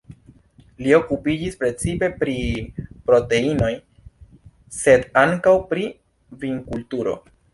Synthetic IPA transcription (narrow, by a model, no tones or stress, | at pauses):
lio̞kupid͡ʒispɾe̞t͡sipe̞pɾipɾo̞te̞ino̞j | se̞daŋkawpɾi | viŋkultuɾo̞̰